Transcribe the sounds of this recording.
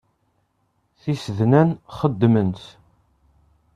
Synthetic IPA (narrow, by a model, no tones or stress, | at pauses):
θisəðnænχəd̪ːmənt̪